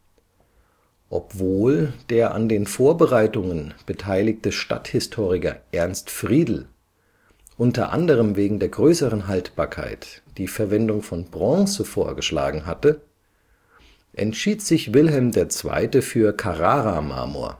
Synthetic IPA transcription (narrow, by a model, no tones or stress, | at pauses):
ʔɔ̰pv̥oːld̥eːɐʔa̰ndeːnfoːɐbəʁaɪtʊŋənb̥ətʰaɪlɪktəʃta̰thɪstʰoːʁɪkɐ̰ʔɛɐnstfʁ̥iːdl̩ | ʔʊntɐ̰ʔa̰ndəʁ̞əmveːɡŋ̩deːɐɡʁøːsəʁənɦaltb̥aːɐkʰa̰ɪtd̥iːfɛɐvɛndʊŋfɔnbʁɔ̃ŋsəfoːɐɡəʃla̰ːɡŋ̩ɦatə | ʔɛ̰ntʃiːtz̥ɪçvɪlɦɛlmdeːɐt͡sv̥a̰ɪtəfyːɐkʰaʁaːʁama̰ːmo̰ːɐ̰